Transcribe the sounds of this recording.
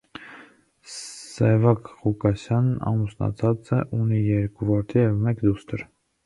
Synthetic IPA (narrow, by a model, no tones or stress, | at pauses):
sɛvɑkχukɑsjɑnɑ̰musnɑ̰t͡sʰɑt͡səʔunijɛɾkuvɑɾt̪ʰijɛvmɛkd̪ust̪əɾ